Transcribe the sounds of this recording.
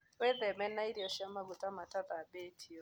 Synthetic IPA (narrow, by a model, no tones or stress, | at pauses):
wɛðɛmɛnaiɾiɔʃiamaɡutamataðabetʰiɔ